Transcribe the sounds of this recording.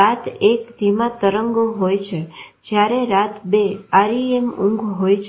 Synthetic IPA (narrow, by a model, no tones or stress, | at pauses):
at̪ʰekd̪ʱimãt̪əɾəŋɡɦojt͡ʃʰed͡ʒjaɾeɾat̪beaɾiemũŋɡɦojt͡ʃʰ